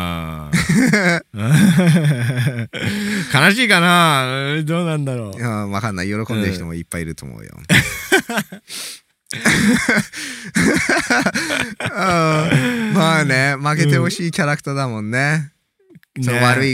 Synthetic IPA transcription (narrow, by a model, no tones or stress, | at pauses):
a | ɯ | kanaɕiːkanaɯ̃d̪oːnãnd̪aɾoːɯ̃ːβakanːaijo̞ɾo̞kõ̞nd̪eɯçi̥t̪omoipːaiɾɯ̟t̪o̰ːmo̰ɯ̟jo̰ | ɯ̃ːmaːne̞make̞e̞ho̞ɕiːkʲaɾakɯ̥t̪ad̪amõ̞nːe̞ | soβaɾɯ̟i